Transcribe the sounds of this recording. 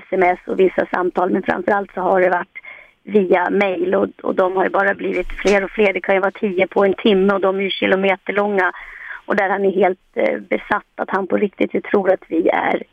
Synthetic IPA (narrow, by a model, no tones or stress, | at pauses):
sɛmɛsːɔ̰vɪsːa̰sa̰mt̪ʰɑːlmɛnfœɾa̰mfœɾa̰lt̪sɔɦaɖɛvaʈː | viːamɛjlɔɔ̰d̪ɔmhaɾjbɑːɾabliːvɪt̪fleːɾɔfleːd̪ɛkʰanjɵvat̪ʰiːəpʰɔɛnt̪ʰɪmːəɔd̪ɔmæjɵɕɪ̰lʊmeːt̪əɭɔŋːaʔɔd̪æɾhanɛɾɦeːlt̪bɛsat̪ːat̪hanpʰɔɾɪk̚t̪ɪt̪vɪt̪ʰɾuːɾat̪vɪæ̰ɾ